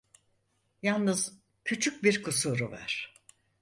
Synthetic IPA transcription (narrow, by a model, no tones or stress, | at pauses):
jalˠnɯz̥ | cʰyt͡ʃʰyc̚biɾkʰusuɾuvæ̰ɾ̥